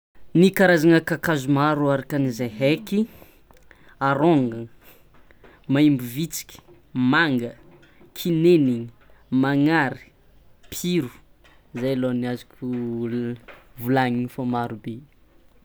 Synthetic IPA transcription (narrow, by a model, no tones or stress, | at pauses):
nikaɾazaŋəkakazumaɾuaɾakənizajɦeki | aɾoŋɡə | maimbuvit͡si̥kʲi̥ | maŋɡə | kʰineniŋi | maŋaɾi̥ | pʰiɾu̥ | zajloniazikʲu | vulaɲinifamaɾube